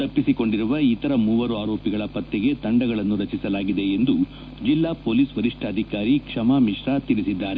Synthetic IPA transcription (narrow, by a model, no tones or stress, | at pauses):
ɐpːisiko̞ɳɖiɾuʋɐit̪ɐɾɐmuʋɐɾuaːɾoːpiɡɐɭɐpɐt̪ːɛɡe̞t̪ɐɳɖɐɡɐɭɐnːuɾɐt͡ʃisɐlaːɡid̪e̞ːnd̪u | d͡ʒilːaːpoːliːsʋɐɾiʂʈʰaːd̪ʱikaːɾikʂɐmaːmiʂɾaːt̪iɾisid̪ːaːɾe